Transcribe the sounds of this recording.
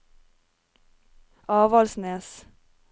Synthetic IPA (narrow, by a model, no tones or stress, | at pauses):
ʔɑːʋɑlsneːs